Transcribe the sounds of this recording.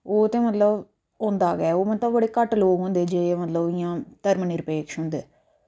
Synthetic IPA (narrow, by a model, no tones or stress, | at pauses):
oːt̪ẽːmɐt̪ləb | oːnd̪aːɡɛːoːmɐt̪ləbbəɽiːkɐʈːloːɡɦʊ̃nd̪eːd͡ʒeːmɐt̪ləbɪjãːt̪əɾmənɪɾpeːkʂɦʊ̃nd̪e